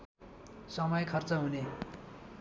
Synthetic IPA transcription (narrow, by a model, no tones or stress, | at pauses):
sʌmʌjkʰʌrt͡sʌɦune